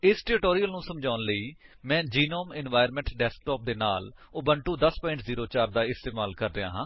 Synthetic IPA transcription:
ɪsʈɛːɾɪʈoːɾijəlnũːsəmd͡ʒaːʊnləiːmɛ̃ːd͡ʒiːnoːmɪnʋaːɪɾmɛ̃ɳʈɖɛːsk̚ʈoːp̚d̪eːnaːl | oːbəɳʈũːd̪əspɔːɪ̃ɳʈziːɾoːt͡ʃaːɾd̪aːɪst̪eːmaːlkəɾd̪ea̰ːɦãː

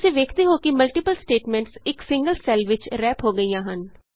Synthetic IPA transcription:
seːʋeːkʰt̪eːɦoːkɪməlʈɪːpəlsʈeːʈmɛ̃ːɳʈsɪksɪ̃ŋɡəlsɛlʋɪt͡ʃɾɛːpɦoːɡəiːjãːɦən

